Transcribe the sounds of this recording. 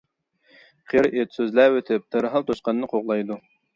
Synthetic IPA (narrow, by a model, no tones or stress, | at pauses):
qʰeɾet̪søzlæwøt̪ʰɪp̚t̪ʰɨɾɦɑlˠt̪ʰoʃqɑnnːɨqʰoʁlˠɑjd̪u